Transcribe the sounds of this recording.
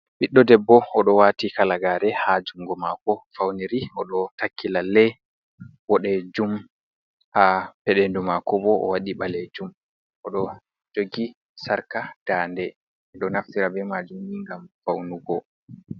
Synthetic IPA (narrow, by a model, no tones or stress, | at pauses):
ɓiɗːɔdɛbːɔɔɗɔwaːtikalaɡaːɾɛhad͡ʒuŋɡɔmakɔfawniɾiɔɗɔtakʰːilalːɛj | wɔɗɛd͡ʒum | hapɛɗendumakɔbɔɔ̰waɗiɓaled͡ʒum | ʔɔɗɔ | d͡ʒoɡi | saɾkad̥aːndɛ | ɗɔnaftiɾabɛmad͡ʒumiŋɡamfawnuɡɔ